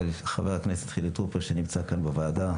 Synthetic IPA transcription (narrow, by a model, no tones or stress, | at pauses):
lχaveʁakneset̪χilet̪ʁopeʁʃenimt͡sakanbevaːda